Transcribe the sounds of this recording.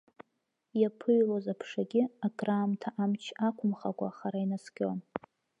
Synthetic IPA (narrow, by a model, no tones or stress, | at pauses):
japʰɨɥlozapʰʂaɡʲɪakʼraːmtʰaʔamt͡ʃʰakʷʰʊmχakʷʼa̰ːχaɾainaskʲon